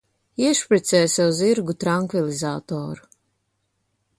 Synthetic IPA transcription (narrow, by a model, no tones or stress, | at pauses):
iɛʃpɾit̪sɛːsʲɛuziɾɡut̪ɾaŋkvilˠizaːt̪ɔːɾu̥